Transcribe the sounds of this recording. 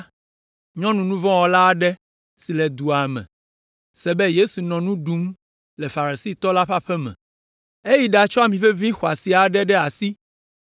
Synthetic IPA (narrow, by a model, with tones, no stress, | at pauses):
ɲɔ̃˦nũ˨nũ˦vɔ̃˦wɔ˦la˦˨ɖɛ˦ | si˨lɛ˨d̪u˨a˨mɛ̰̃˨ | sɛ˨bɛ˦je˦su˨nɔ̃˨nũ˦ɖu˦m | lɛ˨fa˨ɾi˨si˦t̪ɔ˦la˦ɸa˦ɸɛ˦mɛ̰̃˨ | e˦ji˦ɖa˨t͡ʃɔ˦a˨mĩ˨ɸɛ˦vĩ˦xo˨a˨si˨a˨ɖɛ˦ɖɛ˦a˨si˦